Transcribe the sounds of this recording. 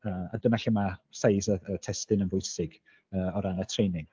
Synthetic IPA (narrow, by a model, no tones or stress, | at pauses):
əːa̰dənaɬɪmasajsəətʰɛstɪnənvʊjsɪɡ | əːɔɾanatʰrejnɪŋ